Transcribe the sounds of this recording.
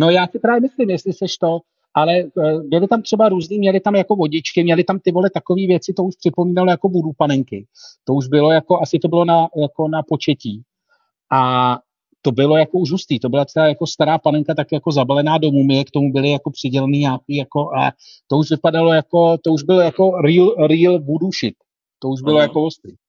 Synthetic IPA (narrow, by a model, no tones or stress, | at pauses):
no̞jaːsɪpɾaːvjɛmɪslɪmjɛst̪lɪsɛʃt̪o̞ | ʔalɛbɪlɪt̪amt̪r̝̥ɛbaɾuːzniːmɲɛlɪt̪amjako̞vo̞ɟɪt͡ʃkɪmɲɛlɪt̪amt̪ɪvolɛt̪ako̞viːvjɛt͡sɪt̪o̞uʃpr̥ɪpo̞miːnalojako̞budupanɛŋkɪt̪o̞uʒbɪlo̞jako̞ʔasɪt̪o̞bɪlo̞najako̞napo̞t͡ʃɛciː | ʔa | t̪o̞bɪlo̞jako̞uʒɦust̪iːt̪o̞bɪlat̪t͡sɛlaːjako̞st̪aɾaːpanɛŋkat̪akɪjakozabalɛnaːdo̞mumɪɛkt̪o̞mubɪlɪjako̞pr̥ɪɟɛlɛniːɲaːkiːjako̞ʔalɛ̰ | t̪o̞uʃvɪpadalo̞jako̞t̪o̞uʒbɪlojako̞ɾiːlɾiːlbuduʃɪt̪̚ | t̪ːo̞uʒbɪlo̞jakovost̪ɾḭː